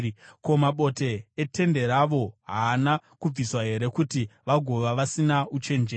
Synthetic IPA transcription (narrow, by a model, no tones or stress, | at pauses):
ko̞maɓo̞te̞ːte̞nde̞ɾaʋo̞ɦaːnakub͡viswaɦe̞ɾe̞kutiʋaɡʱo̞ʋaʋasinaut͡ʃe̞nd͡ʒeː